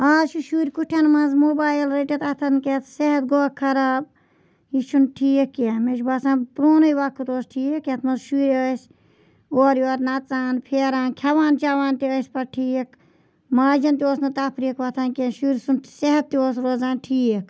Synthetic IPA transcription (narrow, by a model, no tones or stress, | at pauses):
aːzʃuʃuɾʲkuʈʰɐnmɐnzmoːbaːjilɾeʈʲɐt̪ɐt̪ʰɐnket̪ʰseɦɐt̪̚ɡoːkʰːɐɾab | iʃʰunʈʰiːekːeɐmeʃbasãːnpɾoːnɐiʋakʰːut̪oːsʈʰiːeket̪ʰmɐzʃuːɾʲəsʲ | oːɾioːɾnɐt͡saːnpʰeːɾãːnkʲʰɐʋaːnt͡ʃaʋaːnt̪iəsʲpɐɾʈʰiːekʰ | maːd͡ʒɐnt̪ioːsnɐt̪ɐpʰɾikʰʋɐt̪ʰankenʃuːɾʲsuntseɦɐt̪̚ːioːsɾoːzaːnʈʰiːk